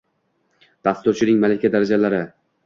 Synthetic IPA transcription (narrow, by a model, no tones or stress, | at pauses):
d̪̥ast̪ʊɾt͡ʃʰɪnɪŋmalakʲad̪aɾad͡ʒalaɾɪ